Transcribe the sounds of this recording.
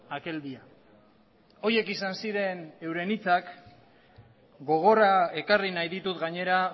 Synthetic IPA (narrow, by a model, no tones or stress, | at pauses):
ake̞ld̪ia | o̞je̞kisansiɾe̞ne̞wɾe̞nit͡sak | ɡo̞ɣ̞o̞rae̞karinajðit̪ut̪ɡaɲe̞ɾa